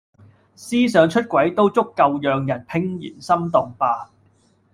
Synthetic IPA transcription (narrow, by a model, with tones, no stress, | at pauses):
siː˥sœː˨˥ŋt͡ʃʰɵ˥t̚kʷɐ˨˥jt̪o˥wt͡sʊ˥kːɐ˧wjœː˨ŋjɐ˨˩npʰɪ˧ŋjḭː˨˩nsɐ˥mt̪ɔː˨ŋpaː˧